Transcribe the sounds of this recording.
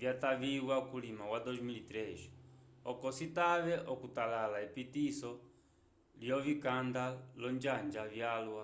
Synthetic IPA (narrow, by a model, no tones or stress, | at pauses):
vjataβiwakulimakwad̪ɔzmilit̪ɾɛʃɔkɔsitaβɛʔɔkutalalaipitisɔ | ljɔvikand̪alɔɲd͡ʒand͡ʒavjalwa